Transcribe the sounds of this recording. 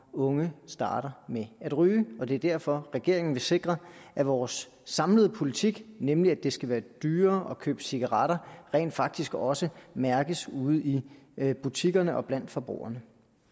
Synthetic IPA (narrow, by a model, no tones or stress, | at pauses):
ɔ̽ŋəsd̥ɑ̰̈ːɾ̥ɐmeæd̥ʁyːɒ̽de̝ɐd̥æɐ̰fɒ̽ʁɛɡ̥e̝ɐe̝ŋn̩ʋe̝se̝ɡ̥ʁɐʔæʋɒːsː | ɑ̈mləð̞̩ˠpʰo̝lit͡sʰiɡ̥nemliæd̥e̝sɡ̥æʋæːɐd̥yːɐːʔɒ̽kʰø̰ːb̥əsiɡ̥ɑʁɑ̈ɾ̥ɐʁɛ̰ːnd̥fɑ̈ɡ̥̚d̥isɡ̥ɒ̽səmæɐɡ̥əsuð̞̩ˠib̥ut͡sʰiɡ̥ɐnəʔɒ̽b̥læn̰d̥fɒ̽b̥ʁṵːɐnə